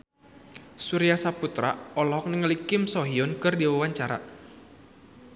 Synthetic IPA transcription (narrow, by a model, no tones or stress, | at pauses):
suɾiasaput̪ɾa̰ɔlɔɦɔk̚nəŋəlikɪmsɔɦiɔnkɨrdiwawaɲt͡ʃaɾa̰